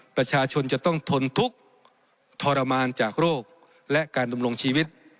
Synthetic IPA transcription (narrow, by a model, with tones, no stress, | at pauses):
pɾa˧t͡ɕʰaː˧t͡ɕʰo˧nt͡ɕa˨˩t̪ɔ˥˩ŋt̪ʰo˧nt̪ʰu˦˥k̚ | t̪ʰɔː˧ɾa˧maː˧nt͡ɕaː˨˩k̚ɾoː˥˩k̚ | lɛ˦˥ʔkaː˧nda˧mlo˧ŋt͡ɕʰiː˧wi˦˥t̪̚